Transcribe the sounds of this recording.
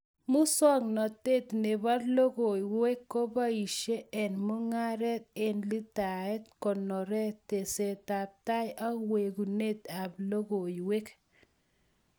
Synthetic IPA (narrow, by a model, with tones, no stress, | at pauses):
mʊ˦sɔ˦ŋnɔ˨t̪e˦˨t̪ne˨ba˦lo˦ɣo˨jwe˦kːo˦ba˦i˨ʃe˦ɛ˨nmo˦ŋa˦ɾɛ˦t̪̚e˦˨nli˦ta˨ɛ˦t̪kɔ˨nɔ˨ɾɛ˦t̪e˨se˨t̪a˨p̚t̪a˦ja˦we˨ɡu˨ne˦t̪a˨blo˦ɣo˨jwe˦k